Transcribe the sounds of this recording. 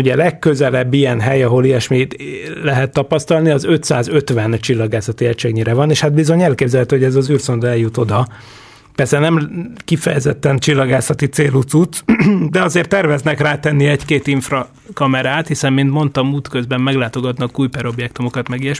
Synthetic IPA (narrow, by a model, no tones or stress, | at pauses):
uɟɛlɛkːø̞zɛlɛbːijɛnɦɛjɒɦo̞liɛʃmilɛɦɛt̪ːɒpɒst̪ɒlniɒzø̞t̪saːzø̞t̪ʋɛnt͡ʃilːɒɡaːsɒt̪iɛcʃɛɡɲiɾɛvɒneːʃhat̪̚bizo̞ɲɛlkeːbzɛlɦɛt̪yho̞ɟɛzɒzyːrso̞nd̪oɛljut̪o̞d̪ɒ | pɛrsɛnɛmkifɛ̰jɛzɛt̪ːɛnt͡ʃilːɒɡaːsɒt̪it̪seːlut̪sut̪d̪ɛɒzeːrt̪ːɛrvɛznɛkraːt̪ɛnːiɛckeːt̪iɱfrɒ | kɒmɛɾaːt̪hisɛmmint̪mo̞nt̪ɒmuːt̪køzbɛmːɛɡlaːt̪o̞ɡɒt̪nɒkuːjpɛɾo̞bjɛkt̪umo̞kɒt̪mɛɡijɛʃ